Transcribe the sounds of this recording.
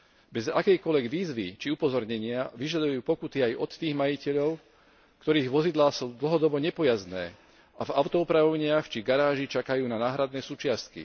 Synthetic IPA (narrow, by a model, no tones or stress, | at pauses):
bɛza̰kɛjkɔʎʋɛɡʋiːzʋit͡ʃiupɔzɔɾɲɛɲɪaʋiʒad̪ujuːpɔkut̪iajʔɔt̪ːiːɣmajicɛʎɔʊ | kt̪ɔɾiːɣʋɔzid̪laːsuːd̪l̩ɦɔd̪ɔbɔɲɛpɔjaznɛ̰ː | ʔavaʊt̪ɔupɾaʋɔʊɲɪaxt͡ʃiɡaɾaːʒit͡ʃakajuːnanaːɦɾad̪nɛːsuːt͡ʃɪast̪kḭ